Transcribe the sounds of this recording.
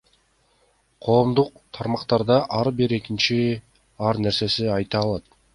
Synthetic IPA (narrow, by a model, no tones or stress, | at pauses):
qʰo̞ːmd̪uq̚t̪ʰɑɾmɑqt̪ɑɾd̪ɑʔɑɾbiɾe̞kint͡ʃi | ɑɾne̞ɾse̞siɑjt̪ɑːlˠɑt̪̚